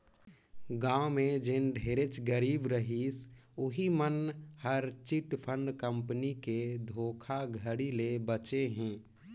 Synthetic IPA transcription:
ɡãːʊmed͡ʒenɖʱeːɾet͡ʃɡəɾiːbɾəɦisʊɦimənhəɾt͡ʃiʈpʰə̃ɳɖkəmpniked̪ʱoːkʰaɡʱəɽilebət͡ʃeɦɛ̃ː

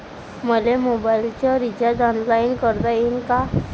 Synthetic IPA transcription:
məlemobailt͡ɕjaɾit͡ɕad̪anlainkəɾd̪ajinka

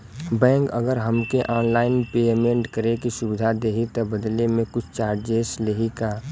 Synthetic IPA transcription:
bɛ̃ːŋkəɡəɾɦəmkeʔɔːnlaːɪnpeːmẽɳʈkəɾekisʊbɪd̪ʱad̪eːɦit̪ɔbəd̪lemẽkʊt͡ʃʰt͡ʃaːɾd͡ʒeːsleɦikaː

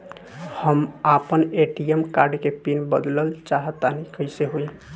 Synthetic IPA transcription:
həmapəneʈiemkaɾɖkepinbəd̪ləlt͡ʃaɦət̪ːanikəseɦoi

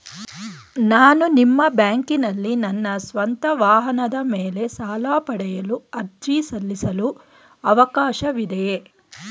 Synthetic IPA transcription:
naːnunimːɐbjaːŋkinɐlːinɐnːɐsʋɐnt̪ɐʋaːɦɐnɐd̪ɐmeːle̞saːlaːpɐɽɛjɐluɐɾd͡ʒiːsɐlːisɐlu | ɐʋɐkaːʃɐʋid̪e

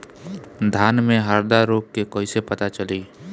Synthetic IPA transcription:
d̪ʱaːnmẽɦəɾd̪aɾoːkkekoːisepɐt̪at͡ʃəliː

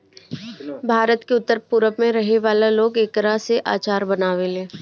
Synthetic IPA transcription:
bʱaːɾət̪keʊt̪ːəɾpʊɾəpmẽɾɐɦeʋaːlaloːɡeːkɾaseʔaːt͡ʃaːɾbɐnaːʋeleː

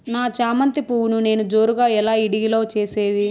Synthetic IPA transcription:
naːt͡ʃaːmɐnt̪ipuːwunune̞ːnud͡ʒo̞ːɾuɡaːɛlaːiɽiɡilo̞ːt͡ʃeːseːd̪i

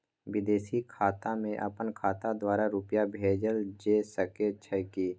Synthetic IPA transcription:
wɪd̪eːsikʰaːt̪amẽʔə̰pənkʰaːt̪ad̪waːɾaɾʊpjabʱeːd͡ʒəld͡ʒeːsəket͡ʃʰəkiː

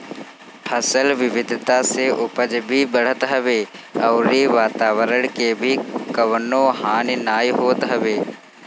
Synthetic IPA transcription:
hʰɐsəlʋɪʋɪd̪ʱt̪aseʔʊpəd͡ʒbʱibəɽ̤ət̪ɦɐʋeːɐːɾeʋaːt̪aːʋəɾəɽ̃kebʱikəʋənõːhaːnɪnaːjɦoːt̪ɦɐʋeː

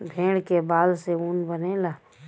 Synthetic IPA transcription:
bʱẽːɽkebaːd̪seuːnbənẽlaː

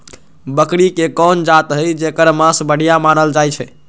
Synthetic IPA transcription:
bəkɾikekɔnd͡ʒat̪ɦəjd͡ʒekəɾmãsbəɽ̤ijamanəld͡ʒajt͡ʃʰɛ

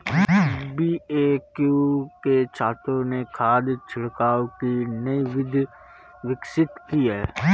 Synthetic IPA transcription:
biːekjuket͡ʃʰaːt̪ɾõnekʰaːd̪t͡ʃʰɪɽkaːokinɐiʋɪd̪ʱ | ʋɪksɪt̪kiɦɛː

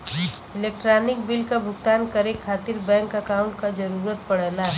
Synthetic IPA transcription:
ɪleːk̚ʈɾaːnɪk̚bɪlkabʱʊɡt̪aːnkəɾekʰːaːt̪ɪɾbɛ̃ːŋkɐkaʊ̃ɳʈkad͡ʒɐɾuːɾət̪̚pɐɽɛlaɦɛ

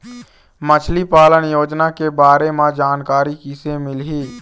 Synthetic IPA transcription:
mət͡ʃʰlipaːlənjoːd͡ʒnakebaːɾemãd͡ʒaːnkaːɾikisemɪlɦiː

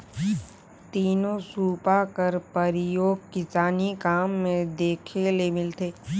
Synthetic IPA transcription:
t̪iːnõsuːpakəɾpɐɾɪjoːɡ̚kɪsaːnikaːmːẽd̪eːkʰelemɪlt̪eː

